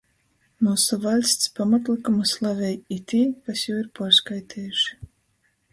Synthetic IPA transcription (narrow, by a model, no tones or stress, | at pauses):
muːsuvalʲst̪spamat̪lˠikumuslˠavʲɛjit̪ʲiːkasjuwiɾpaːɾskajt̪ʰɛːjuʃ